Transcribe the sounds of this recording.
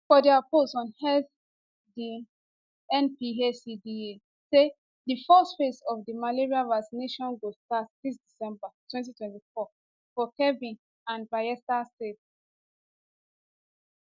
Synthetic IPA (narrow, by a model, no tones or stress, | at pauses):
fɔdiaposɔ̃nhɛθ | di | ɛ̃npiɦesidie | se | difɔstfesɔfdimaleɹiavaksineʃɔ̃nɡostatsistd̥isɛ̃mbatʰwɛ̃nt̬itwɛ̃ntifɔ | fɔkɛvĩn | ãnvajɛstastet